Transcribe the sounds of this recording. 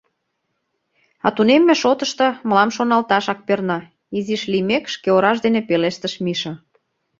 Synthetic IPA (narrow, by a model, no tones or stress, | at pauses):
ɑ̰t̪unemːĕʃot̪əʃt̪ɤ̆mə̆lɑmʃonɑlt̪ɑʃɑk̚pernɑ | iziʃlimekʃkeoɾɑʃd̪enepeleʃt̪ə̆ʃmiʃə̆